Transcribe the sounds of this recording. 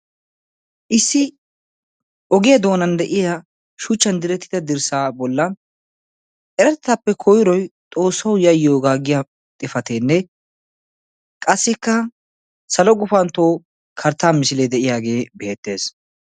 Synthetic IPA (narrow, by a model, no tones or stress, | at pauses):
ʔɪsːɪ | ʔɔɡɪjɐd̪o̞ːnɐnd̪ɛʔɪja | ʃʊt͡ʃːɐnd̪ɪɾɛt̪ːɪ̥d̪ɐd̪ɪɾsaːbɔlːɐn | ʔɛɾɛt̪ːɐpːɛkʰɔjɪɾɔjt̪ʼo̞ːsːɐwjɐjːoːɡaːɡɪja | t̪ʼɪfɐt̪eːnːɛ | kʼɐsːɪkːɐ | sɐlɔɡʊfɐnt̪oː | kʰɐɾt̪ːaːmɪsɪled̪ɛʔɪjaːɡe̞ːbeːt̪ːe̞ːs